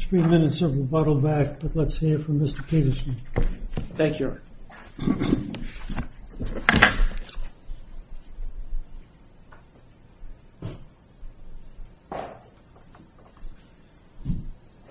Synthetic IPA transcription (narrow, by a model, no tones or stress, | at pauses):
θɹimɪ̃nɨtsə˞vəbɑɾl̩ˠbæk̚b̥ʌtˡlətshifɹʌ̃mːɪstə̥˞pʰeɾəsə̃n | θæ̃ŋkʰju